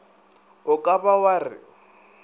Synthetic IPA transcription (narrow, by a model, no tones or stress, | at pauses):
ʊkʼabawarɪ̰